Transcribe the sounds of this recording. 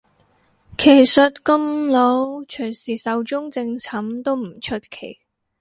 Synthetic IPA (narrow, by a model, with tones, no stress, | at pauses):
kʰe˨˩jsɐ˨t̚kɐ˧mlo˨˥wt͡ʃʰɵ˨˩ɥsiː˨˩sɐ˨wt͡ʃʊ˥ŋt͡sɪ˧ŋt͡sʰɐ˨˥mt̪o˥wm̩˨˩t͡ʃʰɵ˥t̚kʰe˨˩j